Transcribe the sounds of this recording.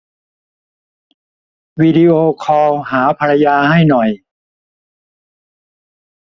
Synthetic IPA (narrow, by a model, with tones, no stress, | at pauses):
wiː˧di˧ʔoː˧kʰɔː˧whaː˩˦pʰaː˧ɾa˧jaː˧ha˥˩jnɔ˨˩j